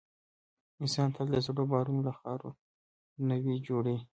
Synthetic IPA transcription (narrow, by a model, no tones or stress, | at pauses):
ɪnsɑnt̪ʰad̪əzɽobɑɾunlaxɑɾo̰ | nawid͡ʒoɽi